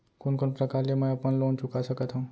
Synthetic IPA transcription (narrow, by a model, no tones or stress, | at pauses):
kʊnkʊnpɾɐkaːɾlemɛ̃ɐpənloːnt͡ʃʊkasəkət̪ɦũː